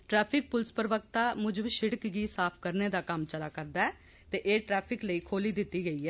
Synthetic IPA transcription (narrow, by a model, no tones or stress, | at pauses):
ʈɾɛːpʰɪk̚pʊlspəɾʋək̚t̪aːmʊd͡ʒʃɪɽəkɡiːsaːpʰkəɾneːd̪aːkəmt͡ʃəlaːkəɾd̪aːɛː | t̪eːʔeːʈɾɛːpʰɪkləiːkʰoːliːd̪ɪt̪ːiːɡəiːɛː